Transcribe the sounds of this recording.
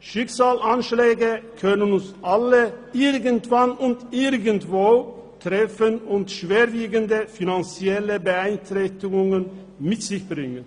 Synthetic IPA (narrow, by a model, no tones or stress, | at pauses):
ʃɪksaːlʔanʃlɛːɡəkʰœnənʊnsʔaləʔɪʁɡəntv̥anʊntʔɪʁɡəntv̥oːtʁ̥ɛfənʊntʃv̥eːɐviːɡəndəfinant͡siɛləbəaɪntʁɛçtɪɡʊŋən | mɪtz̥ɪçb̥ʁɪŋən